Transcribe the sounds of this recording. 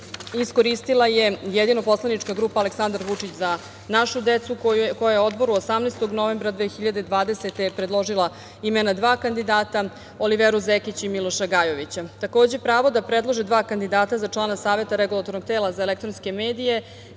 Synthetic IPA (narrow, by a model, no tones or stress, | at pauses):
isko̞ɾist̪ilˠajejed̪ino̞po̞slˠanit͡ʂkaɡɾuːpaːle̞ksand̪aɾʋut͡ʂit͡ɕza | naʃud̪et̪suko̞jajeo̞d̪bo̞ɾuosamnest̪o̞ɡnoʋe̞mbɾad̪ʋeːxiʎad̪e̞d̪ʋaːd̪e̞set̪epɾed̪lˠo̞ʒilˠa | imenad̪ʋaːkand̪id̪aːt̪a | o̞liʋeɾuzekit͡ɕimilo̞ʃaɡajo̞ʋit͡ɕat̪ako̞ːd͡ʑe̞pɾaːʋo̞d̪apɾed̪lˠo̞ʒid̪ʋaːkand̪id̪aːt̪azat͡ʂlˠaːnasaːʋe̞t̪aɾeɡulˠat̪o̞ɾnok̚t̪eːlazaelekt̪ɾonske̞meːd̪ije̞